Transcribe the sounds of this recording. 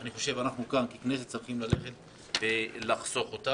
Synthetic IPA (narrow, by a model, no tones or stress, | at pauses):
aniχo̞ʃe̞vanaχnukankikneset̪t͡saʁχimlale̞χe̞t | belaχso̞χot̪a